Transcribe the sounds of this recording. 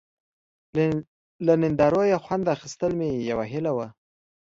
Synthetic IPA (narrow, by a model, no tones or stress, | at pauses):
lanɪnd̪ɑɾojaxwand̪axist̪əlmejawaɦɪlawa